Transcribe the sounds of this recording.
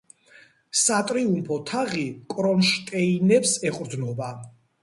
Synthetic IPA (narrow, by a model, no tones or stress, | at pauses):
sat̪ʼɾiumpʰɔt̪ʰaʁikʼɾɔnʃt̪ʼɛinɛpsɛqʼɾd̪nɔba